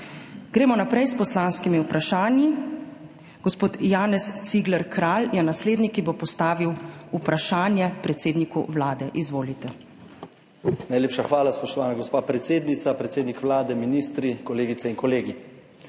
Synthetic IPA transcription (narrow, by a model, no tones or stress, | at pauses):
ɡ̥ɾeːmɔnapɾɛjspɔslaːnskimiupɾaʃaːnji | ɡ̥ɔspoːt̪jaːnɛst̪siɡlɛɾkɾaːljɛnasleːd̪nikibopɔst̪aːʋiwupɾaʃaːnjɛpɾɛt̪seːd̪nikṵʋlaːd̪ɛʔizʋoːlit̪ɛ | najleːpʃaxʋaːlaspɔʃt̪ɔʋaːnaɡɔspaːpɾɛt̪seːd̪nit̪sapɾɛt̪eːd̪nikʋlaːd̪ɛminiːst̪ɾikɔleːɡit̪sɛiŋkɔleːɡi